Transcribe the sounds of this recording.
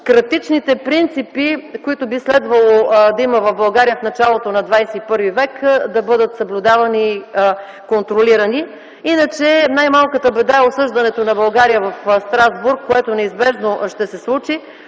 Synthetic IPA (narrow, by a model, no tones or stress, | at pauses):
kɾɐt̪it͡ʃnit̪ɛpɾint̪sipikoit̪ʊbislɛd̪vɐlˠod̪ɐimɐvɐvbɐlˠɡaɾijəfnɐt͡ʃalˠot̪onɐd̪vajsɛipɤɾvivɛkd̪ɐbɤd̪ət̪səblʲʊd̪avɐniː | kont̪ɾoliɾɐni | inət͡ʃɛnajmalˠkət̪əbɛd̪aɛosɤʒd̪ɐnɛt̪onɐbɐlˠɡaɾijəvɐfst̪ɾazbuɾkːoɛt̪onɛizbɛʒnoʃt̪ɛsɛslˠut͡ʃi